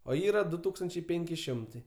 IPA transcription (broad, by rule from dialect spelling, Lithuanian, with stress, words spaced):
oː ˈiːrɐ ˈdʊ ˈtuːkstɐnʲt͡ʃʲɛɪ ˈpʲeːŋʲkʲɪ ˈʃʲɪmtɐɪ